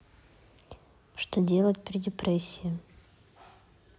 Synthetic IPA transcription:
ʂt̪odʲe̞lˠət̚ʲpɾʲɪdʲɪpɾɛsʲːɪɪ

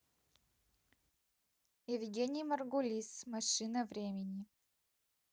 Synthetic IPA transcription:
ɪvɡʲenʲɪjmɐrɡʊlʲismɐʂɨnəvɾʲemʲɪnʲi

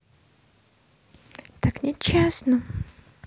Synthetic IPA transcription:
t̪aknʲɪt͡ɕːesnə

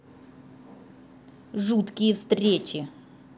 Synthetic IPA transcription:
ʐut̪kʲɪjəfst̪ɾʲet͡ɕɪ

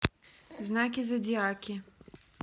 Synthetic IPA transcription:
znakʲizɐd͡zʲiakʲi

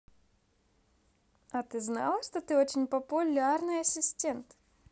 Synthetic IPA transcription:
ɐt̪ɨznɑ̰lˠəʂt̪ot̪ɨot͡ɕɪnʲpəpʊlʲarnɨjɐsʲɪsʲtʲent̪

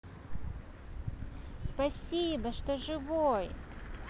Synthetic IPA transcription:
spɐsʲibəʂt̪oʐɨvoj

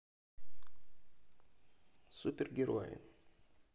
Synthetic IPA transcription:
sʊpʲɪɾɡʲiɾuɔjɪ̰

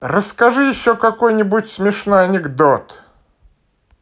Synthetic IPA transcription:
rəskɐʐɨjɪɕːokɐko̞jnʲɪbʊtʲsmʲɪʂno̞jɐnʲɪɡd̪ot̪

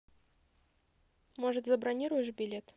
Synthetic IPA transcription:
moʐɨt̪zɐbɾɐnʲiɾʊjɪʂbʲɪlʲet̪

